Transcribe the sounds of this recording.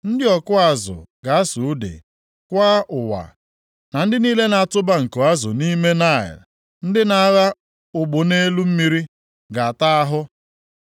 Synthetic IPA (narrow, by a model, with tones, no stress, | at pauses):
n̩˦dɪ˦ɔ˨kʊ˦a˨zʊ̰˨ɡa˨˦a˦su˨u˦dḛ˨ | kʷaː˦ʊ˨wa̰˨ | na˨n̩˦dɪ˦niː˦le˦na˨a˨tʊ˦ba˦ŋ̩˨ko˨a˦zʊ̰˨ni˦me˦na˦˨ɪ̰˨l | n̩˦dɪ˦na˨˦ɣa˦ | ʊ˨ɡ͡bʊ˨ne˦lu˦m̩˦mi˦ɾi˦ | ɡa˨a˨ta˦a˦ɦʊ˦